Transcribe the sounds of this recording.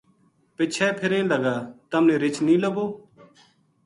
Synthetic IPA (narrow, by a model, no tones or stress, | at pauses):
pɪt͡ʃʰɛːpʰɪɾẽːləɡaːt̪əmnẽːɾɪt͡ʃnĩːləɡoː